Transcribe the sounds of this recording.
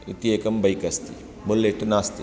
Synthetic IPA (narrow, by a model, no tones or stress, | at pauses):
it̪ieːkɐmbɐjkɐst̪ḭ | bʊlːeʈnaːst̪i